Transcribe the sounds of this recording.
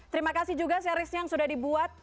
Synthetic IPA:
t̪əɾimakasɪhd͡ʒuɡasaɾɪsjaŋsudahdibuat̪̚

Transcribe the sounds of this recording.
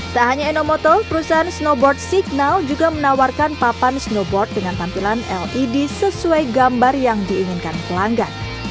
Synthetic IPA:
t̪aɦaɲainomɔt̪ɔpəɾusaɦansnobɔrt̪̚siɡ̚nald͡ʒuɡamənawarkanpapansnobɔrt̪̚dəŋant̪ampilanɛlʔidisəsuajɡambarjaŋdiːŋinkankəlaŋɡan

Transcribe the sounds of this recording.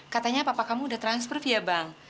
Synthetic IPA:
kat̪aɲapapakamudaht̪ɾanspɔrfijabaŋ

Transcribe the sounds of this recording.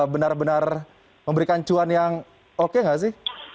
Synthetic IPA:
bənarbənar | məmbəɾikant͡ʃuanjaŋ | okeŋɡaʔs̬ɪh

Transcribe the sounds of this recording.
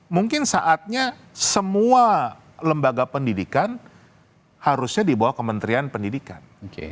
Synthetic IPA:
muŋkɪnsaʔat̪̚ɲa | səmua | ləmbaɡapəndidikan | haɾusɲadibawahkəmənt̪ɾianpəndidikanokḛ

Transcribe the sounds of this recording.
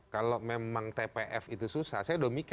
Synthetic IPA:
kalomemaŋt̪epeʔɛfit̪ususa̰hsajadomik

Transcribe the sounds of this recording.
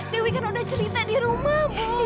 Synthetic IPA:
dewikanudaht͡ʃəɾit̪adiɾumahm

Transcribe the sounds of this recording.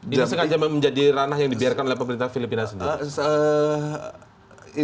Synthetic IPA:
isəŋad͡ʒamaməɲd͡ʒadiranaɦjaŋdibiarkanolehpəməɾint̪afilipinasəndiiə

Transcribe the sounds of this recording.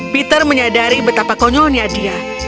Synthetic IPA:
pit̪ərməɲadaɾibət̪apakɔɲɔnijadia

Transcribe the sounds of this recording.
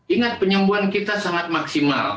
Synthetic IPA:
iŋat̪̚pəɲəmbuankit̪asaŋat̪̚maksima̰l

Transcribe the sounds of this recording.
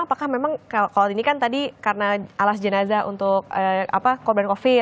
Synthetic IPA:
apakahmemaŋkakalainikant̪adikarənaalasd͡ʒənazaṵnt̪ʊkəa̰pakɔrbankofi

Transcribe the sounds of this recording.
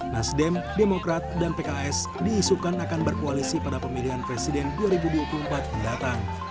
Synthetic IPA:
nasdɛmdemokɾat̪̚danpekaɛs | diːsukanakanbərkoalisipadapəmiliɦanpɾesidɛnduaɾibuduapulumpat̪̚didat̪aŋ

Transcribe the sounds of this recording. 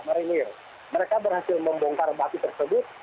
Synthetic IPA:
maɾinɪr | məɾekabərhasɪlməmbɔŋkarbat̪it̪ərsəbʊt̪̚

